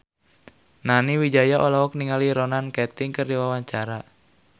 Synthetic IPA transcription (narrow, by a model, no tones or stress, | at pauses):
naniwid͡ʒajaʔɔlaɦɔk̚niŋaliɾɔnankɛt̪ɪŋkərdiwawaɲt͡ʃaɾa